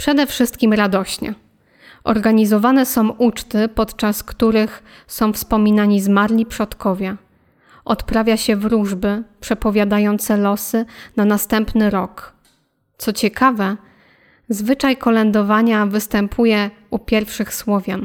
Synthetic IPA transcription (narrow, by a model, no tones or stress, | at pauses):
pʂɛd̪ɛfʂɘst̪kʲimɾad̪ɔɕɲɛ̰ | ʔɔ̰ɾɡaɲizɔvanɛsɔ̃w̃ʔut͡ʂt̪ɘpɔt̪t͡ʂaskt̪uɾɘx | sɔ̃w̃fspɔmʲinaɲizmaɾlʲipʂɔt̪kɔvʲjɛ | ʔɔt̪pɾavʲjaɕɛvɾuʐbɘpʂɛpɔvʲjad̪ajɔnt̪sɛlɔsɘnanast̪ɛmpnɘɾɔk | t̪sɔt͡ɕɛkavɛ | zvɘt͡ʂajkɔlɛnd̪ɔvaɲavɘst̪ɛmpʰujɛ | upʲjɛɾfʂɘxswɔvʲjan